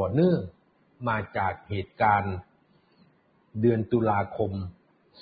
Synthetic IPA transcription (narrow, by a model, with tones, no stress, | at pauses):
ɔ˨˩nɯ˥˩əŋ | maː˧t͡ɕaː˨˩k̚heː˨˩t̪̚kaː˧n | dɯ˧ənt̪u˧laː˧kʰo˧m